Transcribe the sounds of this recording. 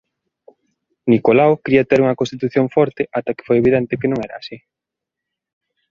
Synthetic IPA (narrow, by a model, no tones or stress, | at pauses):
nikolawkɾiɐt̪eɾuŋɐkõnst̪it̪uθjoŋfɔɾt̪eʔat̪ɐke̥fojeβiðɛnt̪ɪkenõŋɛɾaːsi